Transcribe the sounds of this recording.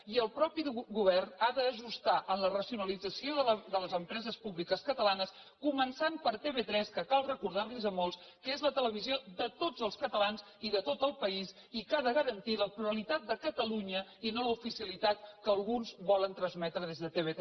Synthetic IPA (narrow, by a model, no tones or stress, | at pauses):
iəlˠpɾɔpiɣuβ̞ɛrnaðəːʒust̪aʔənlərəsiunəlid͡zəsioðəðələzəmpɾɛzəspuβlikəskət̪əlanəs | kumənsampəɾt̪eβet̪ɾɛskəkalˠrəkuɾðarlizəmɔlˠs | kəezlət̪ələβ̞izioðət̪od͡zəlˠskət̪əlanz | iðət̪ot̪əlˠpəis | ikaðəɣəɾənt̪iləpluɾəlit̪at̪̚d̪əkət̪əluɲəinoləufisiəlit̪at̪̚kəːlˠɣunzβɔlənt̪ɾənzmɛt̪ɾəðezðət̪eβet